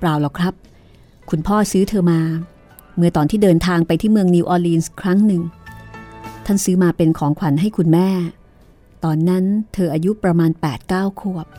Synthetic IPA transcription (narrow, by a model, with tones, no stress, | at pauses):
pɾaː˧wlɔ˨˩kʰɾa˦˥p̚ | kʰu˧npʰɔː˥˩sɯː˦˥t̪ʰɤː˧maː˧ | mɯ˧ət̪ɔː˨˩nt̪ʰiː˥˩dɤː˧nt̪ʰaː˧ŋpa˧jt̪ʰiː˥˩mɯ˧əŋni˧wʔɔː˧liː˧nskʰɾa˦˥ŋnɯ˨˩ŋ | t̪ʰa˥˩nsɯː˦˥maː˧pe˧nkʰɔː˩˦ŋkʰwa˩˦nɦa˥˩jkʰu˧nmɛː˥˩ | t̪ɔː˧nːa˦˥nt̪ʰɤː˧ʔaː˧ju˦˥pɾa˧maː˧npɛː˨˩t̪̚kaː˥˩wkʰu˥˩əp̚